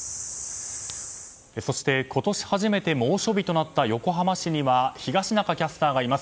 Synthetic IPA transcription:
eso̞ɕi̥t̪e̞ko̞t̪o̞ɕi̥haʑime̞t̪e̞mo̞ːɕo̞bʲit̪o̞nat̪ːajo̞ko̞ɦamaɕiɲ̟iβaçiɡaɕinakakʲasɨ̥t̪aːɡaimasɨ̥

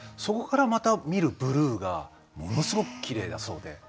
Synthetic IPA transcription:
so̞ko̞kaɾamat̪amʲiɾɯ̟bɯ̟ɾɯ̟ːɡa̰ | mo̞no̞sɨɡo̞kɯ̟̥kʲiɾe̞ːd̪aso̞ːd̪e̞̰

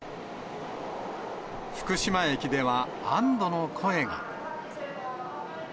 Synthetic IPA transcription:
ɸɯ̟̥kɯ̟ɕimae̞kʲid̪e̞βa | ãnd̪o̞no̞kʰo̞e̞ɡa̰

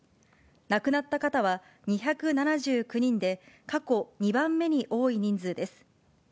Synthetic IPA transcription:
nakɯ̟nat̪ːakat̪aβ̞a | ɲ̟içakɯ̟nanaʑɨːkɯ̟ɲ̟ĩnd̪e̞kako̞ɲ̟ibãmːe̞ɲ̟iʔo̞ːiɲ̟ĩnd͡zɨːd̪e̞sɨ̥

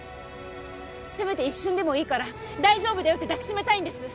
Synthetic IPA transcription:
sɨbe̞t̪eiɕːɨ̃nd̪e̞mo̞iːkaɾa | d̪aiʑo̞ːbɯ̟d̪ejo̞t̪ːe̞d̪aki̥ɕime̞t̪aĩnd̪e̞sɨ

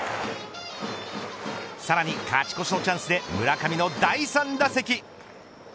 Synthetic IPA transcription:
saɾaɲ̟ikat͡ɕi̥ko̞ɕino̞t͡ɕãɰ̃sɨd̪e̞mɯ̟ɾakamʲino̞d̪aisãnd̪ase̞kʲi

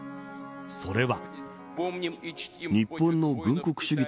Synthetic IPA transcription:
so̞ɾe̞βa | ɲ̟ippːõ̞nːo̞ɡɯ̟̃ŋko̞kɯ̟̥ɕɨɡʲi

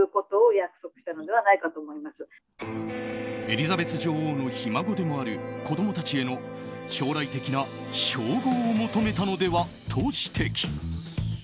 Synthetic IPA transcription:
ɯko̞t̪o̞ːjakɯ̟̥so̞kɯ̟ɕi̥t̪ano̞d̪e̞β̞anaikat̪o̞ːmoimasɨ | e̞ɾʲizabe̞t͡sɨʑo̞ːhoːno̞çimaɡo̞d̪e̞mo̞aɾɯ̟ko̞d̪o̞mo̞t̪at͡ɕie̞no̞ɕo̞ːɾait̪e̞kʲina | ɕo̞ːɡoːmo̞t̪o̞me̞t̪ano̞d̪e̞βa | t̪ʰo̞ːɕi̥t̪ʰe̞kʲi̥

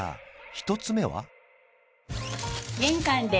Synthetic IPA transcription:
a̰çi̥t̪o̞t͡sɨme̞βa̰ | ɡẽŋkãnd̪e

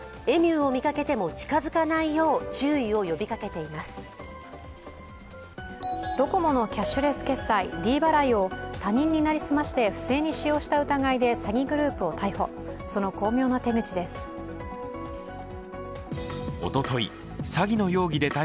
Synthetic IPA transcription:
e̞mʲɨːo̞mʲikake̞t̪e̞mo̞t͡ɕi̥kazɨkanaijo̞ːt͡ɕɨːio̞jo̞bʲikake̞t̪e̞imasɨ̥ | d̪̥o̞ko̞mo̞no̞kʲaɕːɨɾe̞sɨ̥ke̞sːaiɾʲiːbaɾaio̞t̪aɲ̟ĩɲ̟ːinaɾʲisɨmaɕi̥t̪e̞ɸɯ̟̥se̞ːɲ̟iɕijo̞ːɕi̥t̪aɯ̟t̪aɡaid̪e̞saɡʲiɡɯ̟ɾɯ̟ːpɯ̟o̞t̪ʰaiho̞ | so̞no̞ko̞ːmʲo̞ːnat̪e̞ŋɡɯ̟t͡ɕid̪e̞sɨ̥ | o̰t̪o̞t̪o̞ḭ | saɡʲino̞jo̞ːɡʲid̪e̞t̪a

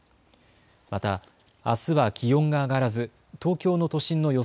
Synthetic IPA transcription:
mat̪aː | sɨβakʲijõ̞ŋɡaːɡaɾazɨ | t̪o̞ːkʲo̞ːno̞t̪o̞ɕĩnːo̞jo̞

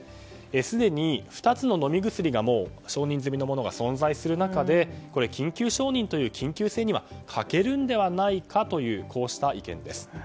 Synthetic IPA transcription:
esɨd̪e̞ɲ̟iɸɯ̟̥t̪at͡sɨno̞no̞mʲiɡɯ̟t͡sɨɾʲiɡamo̞ːɕo̞ːɲ̟ĩnzɨmʲino̞mo̞no̞ɡa̰sõ̞nzaisɨɾɯ̟nakad̪e̞ko̞ɾe̞kʲĩŋkʲɨːɕo̞ːɲ̟ĩnt̪o̞jɯ̟ːkʲʰĩŋkʲɨːse̞ːɲ̟iβa̰kʰake̞ɾɯ̟̃nd̪e̞βanaikʰat̪o̞jɯ̟ːkʰo̞ːɕi̥t̪aikẽ̞̰nd̪e̞̰sɨ̥

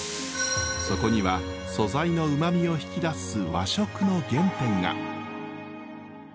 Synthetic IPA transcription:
so̞ko̞ɲ̟iβaso̞zaino̞ɯ̟mamʲio̞çi̥kʲid̪asɨβaɕo̞kɯ̟no̞ɡẽ̞mt̪ẽ̞ŋɡa̰

